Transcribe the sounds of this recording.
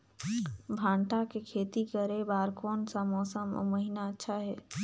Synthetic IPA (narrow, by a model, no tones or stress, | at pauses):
bʱãːɳʈakekʰeːt̪ikəɾebaːɾkoːnsamɔːsəmo̰məɦɪnaətːʃʰaɦɛː